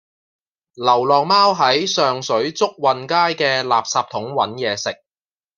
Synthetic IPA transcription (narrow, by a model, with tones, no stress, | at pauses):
lɐ˨˩wlɔː˨ŋmaː˥wɦɐ˨˥jsœː˨ŋsɵ˨˥ɥt͡sʊ˥k̚wɐ˨nkaː˥jkɛː˧laː˨p̚saː˧p̚t̪ʰʊ˨˥ŋwɐ̰˨˥njɛː˨˧sɪ˨k̚